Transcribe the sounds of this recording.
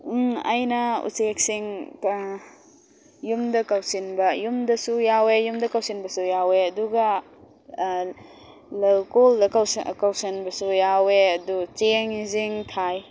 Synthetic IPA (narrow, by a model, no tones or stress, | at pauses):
a̰jnɐṵsek̚siŋ | jumdɐkɐwsinbɐjumdɐsujawejumdɐkawsinbɐsujaweɐduɡɐ | lɐwkoldɐkɐwskɐwsinbɐsujaweɐdut͡ʃeŋiziŋtʰaj